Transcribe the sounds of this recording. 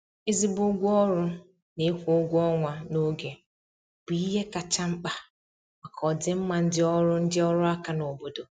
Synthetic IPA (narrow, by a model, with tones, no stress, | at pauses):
ɪ˦zi˦bʊ˦ɡʷɔ˦ɾʊ˦ | ne˦kʷo˦ɡʷɔ˦ŋʷa˨no˦ɡe˨ | b̥i˨i˦ɦe˦ka˨t͡ʃa˦ŋ͡m̩˦k͡pa˦ | ma˨kʰɔ˨dɪ˦m̩˦ma˨n̩˦dɪ˦ɔ˦ɾʊ˦n̩˦dɪ˦ɔ˦ɾʊ˦a˦ka˨no˨bo˦do˨